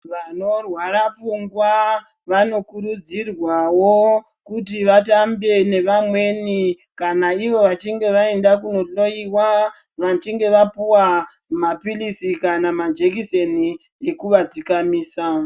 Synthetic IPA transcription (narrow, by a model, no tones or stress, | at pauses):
ʋano̞rwaɾap͡fuŋɡwa | ʋano̞kuɾud͡zirwawo | kutiʋatambe̞ne̞ʋamwe̞ni | kanaiʋo̞ʋat͡ʃiŋɡe̞ʋae̞ndakuno̞lo̞iwa | ʋat͡ʃiŋɡe̞ʋapuwa | mapilisikanamad͡ʒekise̞ni | ekuʋad͡zikamiːsa